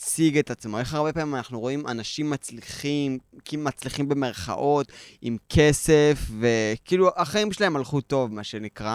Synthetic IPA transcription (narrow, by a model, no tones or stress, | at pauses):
t͡siɡe̞t̪at͡smo̞e̞χaʁbepamimanaχnuʁoima̰naʃimːat͡sliχimkilumat͡sliχimbe̞me̞ʁχa̰ʔo̞timkʰese̞fve̞kiːluaχaimʃelae̞malχuto̞vmaʃe̞nikʁa